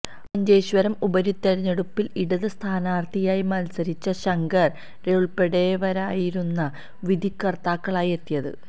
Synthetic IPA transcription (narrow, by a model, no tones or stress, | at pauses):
pɐɲd͡ʑejɕʋɐɾɐmubɐɾit̪ːɐɾiɲːeɽupːiliɽɐðɨst̪ʰaːnaːrt̪ʰijaːjimɐlsɐɾit͡ɕːɐɕɐŋɡɐr | reʋɭpeɽeːʋɐɾaːjiɾunːɐ | ʋid̪ʱikːɐrt̪aːkːɐɭaːjie̞t̪ːijɐðɨ̰